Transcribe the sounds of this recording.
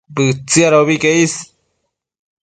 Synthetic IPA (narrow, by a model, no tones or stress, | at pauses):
bɨt͡siaɾoβikeis